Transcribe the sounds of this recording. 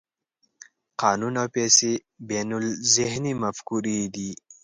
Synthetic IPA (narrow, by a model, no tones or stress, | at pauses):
qɑːnunawpesi | benulzɪhnimɐfkuɾid̪i